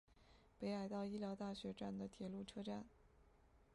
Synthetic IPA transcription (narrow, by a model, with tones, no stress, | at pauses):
pe˧˥ɪa˨˧˩ɪt̪ɑ˥˩ʊi˥ljɑ˧˥ʊt̪a˥˩ɕɥɛ˧˥ʈ͡ʂa˥˩nd̪ə˩t̪ʰjɛ˨˩lu˥˩ʈ͡ʂʰɤ˥ʈ͡ʂa̰˥˩n